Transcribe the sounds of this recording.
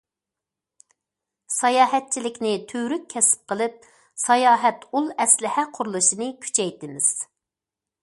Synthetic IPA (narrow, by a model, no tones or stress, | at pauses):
sɑjɑːɦɛt̪̚t͡ʃʰilɪkʲnɪt̪ʰøwɾykʲkʲʰːɛsɪ̥p̚qʰəlˠɨp̚ | sɑjɑːɦɛt̪ulˠɛslɪhɛqʰʊɾulˠɨʃinɨkʲʰy̥t͡ʃʰɛjt̪ɪmɪz̥